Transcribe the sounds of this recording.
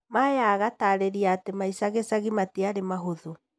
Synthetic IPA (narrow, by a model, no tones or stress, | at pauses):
majaːɣataːɾeɾiaːtemaisaɣesaɣimateaɾemaɦoðo